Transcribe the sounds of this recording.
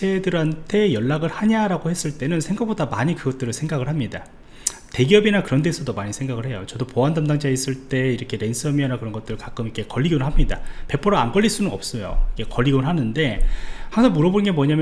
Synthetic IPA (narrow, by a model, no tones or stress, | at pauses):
t͡ɕʰe̞dɯɾantʰe̞jʌɭːaɡɯɾhaɲaɾaɡohe̞s͈ɯɭt͈e̞nɯnsʰe̞ŋɡak̚p͈odamaɲikɯɡʌt͈̚ɯɾɯsʰeŋɡaɡɯɭhamɲida̰ | te̞ɡiʌbinakɯɾʌndesʰʌdomaɲisʰe̞ŋɡaɡɯɭɦe̞jot͡ɕʌdopoandamdaŋd͡ʑais͈ɯɭt͈e̞iɾʌkʰe̞ɾe̞nsʰɯʌmiʌnakɯɾʌnɡʌt͈̚ɯɾɯɭkak͈ɯmikʰe̞kʌʎːiɡonnɦamɲida̰pe̞pʰʌɾoa̰nkʌʎːiɭs͈unɯnʌp̚s͈ʌjo̰ikʰe̞kʌʎːiɡonɦanɯnde̞haŋsʰʌnmuɾʌbonɯnɡe̞mʌɲamj